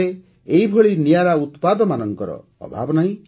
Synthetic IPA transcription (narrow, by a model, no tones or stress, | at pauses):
e | eɦibʱoɭinijaɾaut̪pad̪ɔmanɔŋkɔɾɔ̰ːbʱa̰bɔnaɦĩ